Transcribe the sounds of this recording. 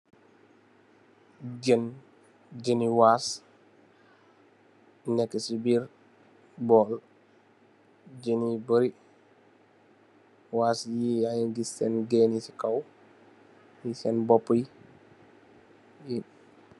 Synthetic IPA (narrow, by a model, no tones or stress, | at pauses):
d͡ʒən | d͡ʒəniwaːs | nɛkːəsibiɾ | bɔl | d͡ʒenibəɾi | waːsjiajiŋɡisɛnɡɛnisikaw | jisɛnbɔpːəj | ji